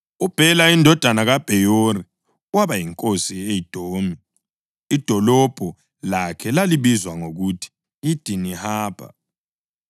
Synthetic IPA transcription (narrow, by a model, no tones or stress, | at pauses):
ub̥ʱɛlaindʱɔd̥ʱanaɣab̥ʱɛjori | waβajiŋkʼosiejid̥ʱoːmiː | d̥ʱɔlɔb̥ʱɔ | lakʰɛlaliβizwaŋoɣutʰi̥ | id̥ʱinihaːpʰa̰